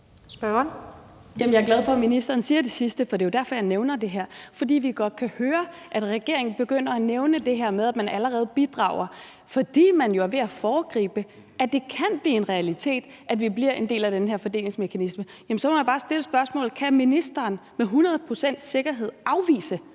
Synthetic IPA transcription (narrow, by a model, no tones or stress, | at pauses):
sb̥ɶn | jæmən̩jɐɡlæð̞ˠfɒ̽minisd̥ɐːnsiːɐd̥e̝sisd̥əfɒ̽d̥e̝jod̥æɐfɒ̽jɑ̈ɪneʊnɐd̥e̝ɦæɐ̰fɒ̽d̥ḭːʋiɡ̥ɒ̽d̥̚kʰæhøːɐʔæd̥ʁɛɡ̥e̝ɐ̰e̝ŋn̩b̥e̝ɡ̥øn̰ɐæneʊnəd̥e̝ɦeɐ̰með̞ˠæd̥mænæləʁɛːð̞̩ˠb̥id̥ʁɑ̰̈ʊ̰ɐ | fɒ̽d̥ḭːmænjo̝æɐʋe̝æfɒːɡ̥ʁḭːb̥ə | æd̥e̝kʰænb̥liːe̝nʁɛælit͡sʰe̝̰ːd̥ʔæd̥ʋibliɐ̰ʔe̝nd̥e̝̰ːlæd̥enɦeɐ̰fɒ̽d̥e̝̰ːle̝ŋsme̝kʰænismə | jæmn̩sɒ̽mʰomjabɑːsd̥e̝ləsb̥ɶɐsmɔ̰̽ːlkʰæminisd̥ɐːnmeɦunɐðˠpʰʁo̝sen̰d̥se̝ɡ̥ɐɦe̝ð̞̰ˠʔɑ̈ʊʋḭːsə